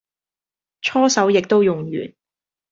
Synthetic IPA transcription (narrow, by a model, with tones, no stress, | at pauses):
t͡ʃʰɔː˥sɐ˨˥wjɪ˨k̚t̪o˥wjʊ˨ŋɥy̰ː˨˩n